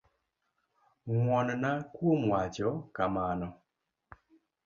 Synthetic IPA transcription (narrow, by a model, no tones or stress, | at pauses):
ŋwɔnnakwomwat͡ʃɔkamanɔ